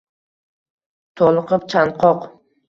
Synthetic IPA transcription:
t̪ʰolˠɨqʰɨp̚t͡ʃʰanqʰɒq

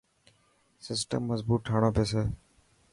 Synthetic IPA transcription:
sɪsʈə̰mːəzbuːʈ̚ʈʰaːɽ̃õːpeːseː

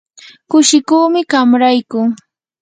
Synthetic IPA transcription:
kʊʃɪkuːmɪɢamɾajkʊ

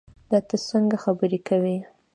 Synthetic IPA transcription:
d̪ɑt̪əsəŋɡaxabəɾekawi

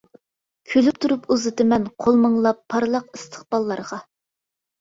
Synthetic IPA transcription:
kʲʰølyp̚t̪ʰuɾupuzɨt̪ɨmɛnqʰolˠməŋlˠɑpʰːɑɾlˠəqɨst̪ʰə̥χb̥ɑlˠːɑɾʁɑ

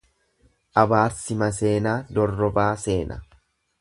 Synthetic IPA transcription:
ʔɐbaːɾsɪmɐse̞ːnaːd̪ɔrːɔbaːse̞ːnɐ̰

